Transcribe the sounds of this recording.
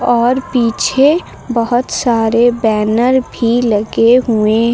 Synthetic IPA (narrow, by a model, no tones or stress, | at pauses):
ɔːɾpiːt͡ʃʰe | bəɦʊt̪saːɾebɛːnəɾbʱiləɡeɦuẽ